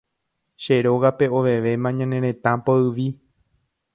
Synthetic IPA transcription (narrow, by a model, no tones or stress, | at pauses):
ʃe̞ɾo̞ɣape̞o̞ʋe̞ʋe̞mãɲãnẽ̞ɾẽ̞t̪ãpoɨʋi